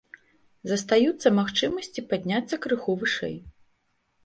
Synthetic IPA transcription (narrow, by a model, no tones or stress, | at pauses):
zɐst̪ajut̪sːɐmaxt͡ʂɨmɐsʲt͡sʲipad̪ʲnʲat̪sːɐkɾɨxuvɨʂɛ̰j